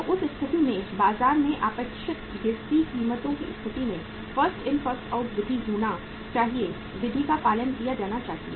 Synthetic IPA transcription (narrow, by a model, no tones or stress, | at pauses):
ʊsɪst̪ʰɪt̪imẽbaːzaːɾmẽʔaːpəkʃɪt̪eːst̪ikiːmət̪õkiɪst̪ʰɪt̪inẽ | fɐɾsʈɪnfɐɾsʈʰaːʊʈd̪ɪd̪ʱid͡ʒuːna | t͡ʃaːɦie | ʋɪd̪ʱikapaːlənkijad͡ʒaːnat͡ʃaːt̪ḭ